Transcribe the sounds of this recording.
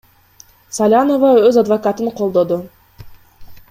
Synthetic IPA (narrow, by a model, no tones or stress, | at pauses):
salʲanovaøzad̪vɐkat̪ɯɴqʰo̞lˠd̪o̞d̪ʊ